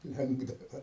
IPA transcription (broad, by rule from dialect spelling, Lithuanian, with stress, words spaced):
ˈlʲɛŋɡdɐʋɐ